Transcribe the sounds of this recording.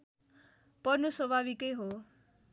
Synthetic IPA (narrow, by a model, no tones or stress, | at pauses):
pʌnusʌbʱabikejɦo